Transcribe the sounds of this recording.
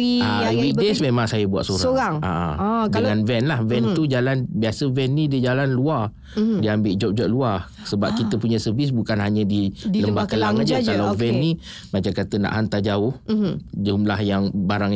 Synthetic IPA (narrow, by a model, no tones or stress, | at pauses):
iawik̚desmemãŋsajabua̰ʔsoɾaoɾaŋa̰ʔa̰dəŋanvɛnlahvɛnt̪ud͡ʒalanbiasəvɛnːidəd͡ʒalanluar | diambɪʔd͡ʒɔp̚d͡ʒɔp̚luar | səbap̚kit̪əpuɲasəvis̬bukanɦaɲadiləmbakəlaŋad͡ʒaalawvɛnːi | mat͡ʃamkat̪əna̰ʔɦant̪ad͡ʒaʊhd͡ʒumlahjaŋbaɾaŋ